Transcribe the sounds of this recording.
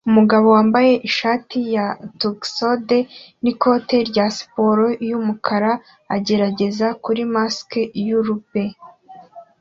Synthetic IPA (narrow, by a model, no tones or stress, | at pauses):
umuɡaβo̞waːmbaje̞ʔiʃaːtijatuɡsodeniko̞te̞ɾɟasi̥po̞ɾo̞jumukʰaɾaː | ɟe̞ɾaɟe̞zakuɾimaskejuɾupe̞